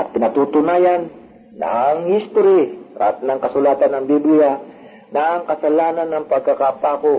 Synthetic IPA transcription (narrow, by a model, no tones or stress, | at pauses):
ʔɐt̪̚pɪnɐt̪ut̪ʊnaːjanː | a̰ŋhist̪oɾɪa̰t̪nɐŋkɐsʊlaːt̪anːɐŋbiblɪa | naŋkɐsalaːnanːɐŋpɐɡ̚kakapaːko